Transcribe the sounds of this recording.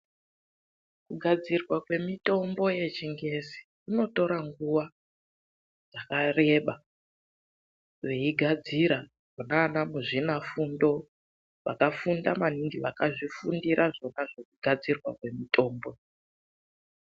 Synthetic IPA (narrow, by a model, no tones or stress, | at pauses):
kuɡʱad͡zirwakwe̞mito̞mbo̞je̞t͡ʃiŋɡe̞si̥ | ino̞to̞ɾaŋɡuʋa | d͡zakare̞ɓa | ʋe̞iɡʱad͡ziɾa | ʐonanamuʐinafundo̞ | ʋa̰kafundamaniŋɡiʋakaʐifundiɾʔaʐo̞naʐokuɡʱad͡zirwa̰kwe̞mitʰʼo̞ːmbo̞